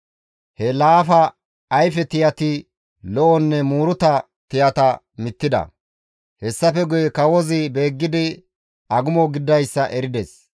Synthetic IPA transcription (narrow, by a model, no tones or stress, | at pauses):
hɛlaːfɐː | jfɛt̪ɪjɐt̪ɪ | lɔʔɔnːɛmuːɾʊt̪ɐ | t̪ɪjɐt̪ɐ | mɪt̪ːɪd̪ɐ̰ | hɛsːɐfɛɡʊjɛkɐwɔzɪbe̞ːɡːɪd̪ɪ | ɐɡʊmɔɡɪd̪ːɐjsːɐʔɛɾɪd̪ɛs